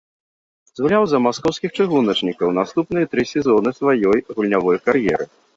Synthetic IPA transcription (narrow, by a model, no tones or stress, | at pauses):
zɣulʲawzɐmaskɔwskʲixt͡ʂɨɣunɐt͡ʂnʲikɐwnast̪upnɨjɐt̪ɾɨsʲɛzɔnɨsvajɔjɣulʲnʲavɔjkaɾjɛɾɨ